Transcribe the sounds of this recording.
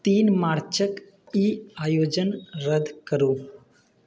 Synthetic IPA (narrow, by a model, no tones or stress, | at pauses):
t̪iːnmaːɾt͡ʃək | iːaːjoːd͡ʒənɾəd̪ʱkəɾuː